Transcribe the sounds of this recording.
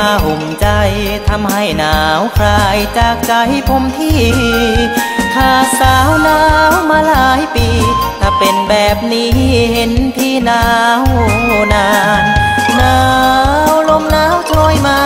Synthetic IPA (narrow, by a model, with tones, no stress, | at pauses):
aː˧ɦo˨˦mt͡ɕa˧jt̪ʰa˧mhɦa˥˩jnaː˨˩˦wkʰɾaː˧jt͡ɕaː˨˩k̚t͡ɕa˧jpʰo˧mt̪ʰiː˥˩˧ | pʰaː˨˩saː˨˩˦wnaː˦˥wmaː˧laː˧˦jpiː˧t̪ʰaː˧˩pe˧nbɛː˨˩p̚niː˦˥he˨˦nt̪ʰiː˧˩naː˧˦˧wnaː˧˥˧nnaː˦wlo˧mnaː˦˥wt̪ʰoː˧jmaː˧